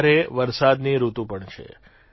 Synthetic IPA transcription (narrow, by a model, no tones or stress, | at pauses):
ɾeʋəɾsad̪niɾut̪ũpəɳt͡ʃʰḛ